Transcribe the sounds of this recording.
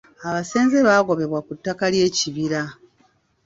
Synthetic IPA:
aβase̞ːnzeβaːɡo̞βe̞βwakutːakalje̞ːciβiɾa

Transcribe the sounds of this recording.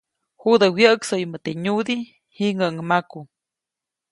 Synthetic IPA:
hud̪əwjəəksojmət̪eɲud̪i | hiʔŋəŋmaku

